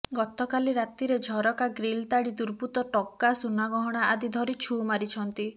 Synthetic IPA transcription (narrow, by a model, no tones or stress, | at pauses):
ɡɔt̪ɔkaliɾat̪iɾed͡ʒʱɔɾɔkaɡɾilt̪aɽid̪uɾput̪ɔʈɔkːasunaɡɔɦɔɽ̃aad̪id̪ʱɔɾit͡ʃʰumaɾit͡ʃʰɔnt̪i